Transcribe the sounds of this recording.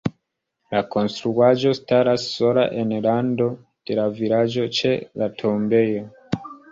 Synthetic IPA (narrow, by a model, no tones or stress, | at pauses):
lako̞nstɾuad͡ʒo̞staɾasːo̞la̰ʔe̞nlando̞ | d̥e̞lavilad͡ʒo̞t͡ʃe̞latʰo̞mbe̞jo̞